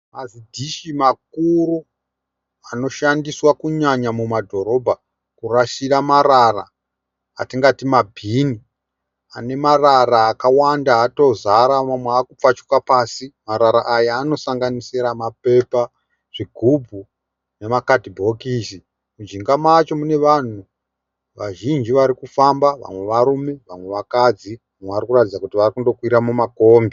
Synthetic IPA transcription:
mazidʱiʃimak̚uru | ano̞ʃandiswakuɲaɲamumadʱo̞ɾo̞bʱa | kuraʃiramaɾara̰ː | tiŋɡatimabʱini | ane̞mararaːkawandaato̞zaɾamamweakup͡fat͡ʃu̥kapaːsimaɾaɾaʔajaːno̞saŋɡanisiɾamape̞pa | ʐ̥iɡʱub͡vʱu | ne̞makadʱibʱo̞kisi | mud͡ʒiŋɡamat͡ʃo̞mune̞ʋan̤u | ʋaʒind͡ʒiʋaɾikufambaʋa̰mwe̞ʋaɾume̞ʋamwe̞ʋakad͡zi | amweʋaɾikuratid͡zakutiʋarikundo̞kwiɾamumakoːŋɡe

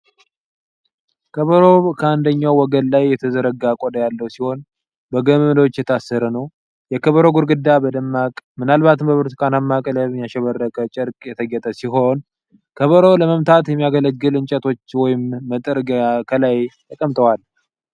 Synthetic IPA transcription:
kʰəβəɾo̞kʰəand̪əɲːawwɔɡənlajːɛt̪ʰəzəɾəɡakʼod̪əjalːəwsiho̞n | bəɡəmɨmd̪ot͡ʃːjɛt̪ʰasːəɾənəw | jɛkʰəβəɾo̞ɡuɾɡɨd̪ːabəd̪əmːakʼmɨnalbat̪ʰɨmbəβɨɾt̪kʰʼanamːakʼələmijaʃɛβərːəkʼət͡ʃʼɪɾkʼjɛt̪ʰəɡɛt̪ʼəsiɦo̞n | kʰəβəɾo̞ləməmt̪ʰat̪jɛmːijaɡələɡɡɨlɨnt͡ʃʼɛt̪ʰo̞t͡ʃːwɔjɪmːət̪ʼɨɾɡkʰəlajt̪ʰəkʼəmt̪ʼəwal

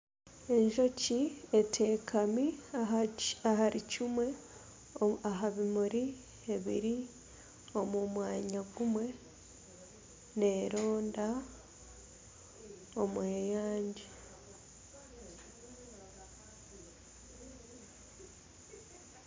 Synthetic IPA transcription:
e̞ɲʒo̞cietʰe̞ːkʰami | aɦaɾicimwe | aɦaβimuɾi | eβḭɾi | o̞mumwaːɲaɡumwe̞ | ne̞ɾo̞ːnda | omwejaːɲɟi

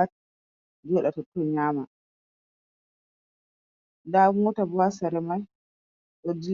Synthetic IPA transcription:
at | d͡ʒɔɗatɔtːɔɲaːma | daŋɔtabɔasaɾɛmaj | ɗɔd͡ʒi

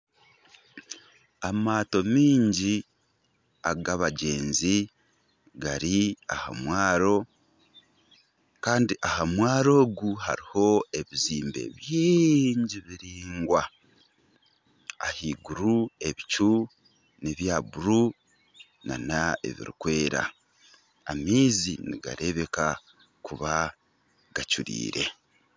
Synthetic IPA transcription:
amaːto̞miːɲɟi | aɡaβaɟe̞ːnzi | ɡaɾia̰ha̰mwaːɾo̞ | kaːndiʔahamwaːɾo̞ːɡuha̰ɾiho̞e̞βiziːmbe̞̰βjiɲɟiβiɾiːŋɡwa | hiːɡuɾue̞βit͡ʃu | neβjabuɾu | na̰nae̞̰βḭɾikwe̞ːɾa̰ | amiːziniɡa̰ɾe̞βe̞ka | kuβa | ɡ̥at͡ʃuɾḭːɾe̞

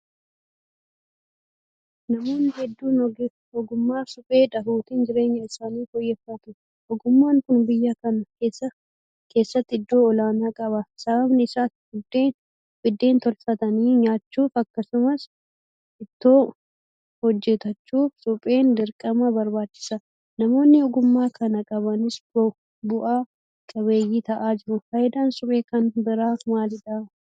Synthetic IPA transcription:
nɐmo̞ːnːɪɦɛd̪ːuːn | ɔɡʊmːaːsʊpʼe̞ːᶑ̪ɐhuːt̪ɪnd͡ʒɪɾe̞ːɲːɐɪsaːniːfɔjːɛfːɐt̪ʊ | ʔɔɡʊmːaːŋkʊnbɪjːakɐnsɐ | ke̞ːsːɐt̪ːɪd̪ːo̞ːɔlaːnaːkʼɐbɐsɐbɐbnɪɪsaːt̪ | d̪e | bɪd̪ːe̞ːnt̪ɔlfɐt̪ɐniːɲaːt͡ʃːuːfɐkːɐsʊmɐs | ʔɪt̪ːo̞ː | hɔd͡ʒːɛt̪ɐt͡ʃːuːfsʼʊpʼeːnd̪ɪɾkʼɐmɐbɐɾbaːt͡ʃːɪ̥sɐ | nɐmo̞ːnːɪɔɡʊmːaːkʰɐnɐkʼɐβɐnɪsbɔ | bʊʔaː | kʼɐβe̞ːjːiːt̪ɐʔaːd͡ʒɪɾʊfɐjɪd̪aːnsʼʊpʼeːkɐnbɪɾaːmaːlɪd̪ɐ

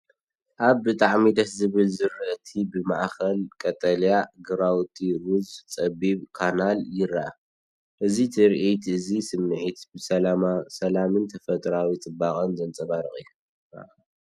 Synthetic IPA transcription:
ʔaβbɨt̪ʼaʕmid̪ɐszɨβɨlzɨɾːɨʔt̪ʰibɨmaʔxɐlkʼɐt̪ʼɐljaɡɨɾawt̪ʰʼiɾuzt͡sʼɐβiβkʰanaljɪɾaʔa | ʔɨzit̪ʰɨɾʔit̪ʰɨzisɨmnɨʕit̪bɨsɐlasɐlamɨnt̪ʰɐfɐt̪ʼɾawit͡sʼɨbaχʼɐnzɐnt͡sʼɐβaɾɨχʼḭjːu

